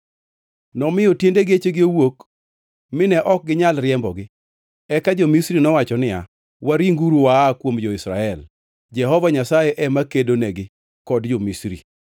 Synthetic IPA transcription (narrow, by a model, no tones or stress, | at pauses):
nɔmɪjɔtjendeɡet͡ʃeɡɪowok | mɪnɛʔɔk̚ɡɪɲalɾɪɛmbɔɡɪ | ɛkad͡ʒɔmisɾinɔwat͡ʃɔnɪa̰ | waɾiŋɡuɾuwakwomd͡ʒɔɪsɾa̰ɛl | d͡ʒɛɦɔvaɲasajeʔɛmakedonɛɡɪ | kɔdd͡ʒomisɾḭ